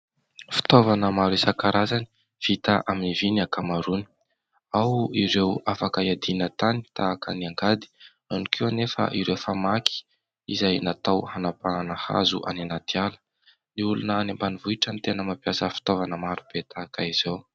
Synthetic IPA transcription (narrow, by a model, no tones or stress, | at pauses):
fi̥t̪ovanəmaɾisakaɾazani̥ | v̥it̪aʔaminivinakamaɾuni̥ | awiɾewafakaiad̪inət̪ani̥t̪aːkaniaŋɡad̪i̥ | anikʰewanefə̰ʔiɾewfamakʰi̥ | izajnat̪awhanapananəha̰zuʔa̰nanat̪ialə̥ | niulunənambanivuiʈ͡ʂənt̪enəmapjasəfi̥t̪ovanəmaɾub̥et̪akaiz̥ow